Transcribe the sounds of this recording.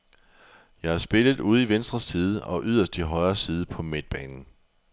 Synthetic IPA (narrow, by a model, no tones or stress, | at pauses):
jɑ̈ɪhɑsb̥e̝lð̩ˠuð̞ˠiʋensd̥ʁɐsːiːð̞ˠəʔɒ̽ʔyð̞̰ˠɐsd̥iɦɒ̽ɪɐsiːð̞ˠəpʰɒ̽med̥̚b̥ɛːnn̩